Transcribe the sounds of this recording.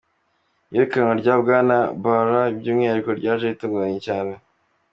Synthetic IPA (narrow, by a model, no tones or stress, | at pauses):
jeɾekanoɾɟaːbɡaːnabaɾaibɟiːmŋihaɾikoɾɟaːʒeituːŋɡuɾaɲecaːne